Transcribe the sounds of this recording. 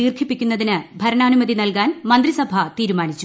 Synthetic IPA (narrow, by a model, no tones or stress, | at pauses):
iːrtk̪ʰipːikʲːunːɐðinɨbʱɐɾɐɳaːnumɐd̪inɐlkaːnmɐnd̪risɐbʱɐt̪iːɾumaːɳit͡ɕːu